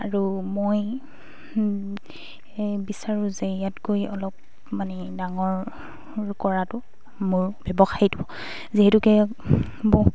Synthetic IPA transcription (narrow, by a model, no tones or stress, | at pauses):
aɹumoj | bisaɹũzɛjatɡojɔlɔp̚ | manɛ | daŋɔɹ | ɹkɔɹatʊ | mʊɹbɛbɔxajidibɔ | ziɦɛtukɛ | bɔ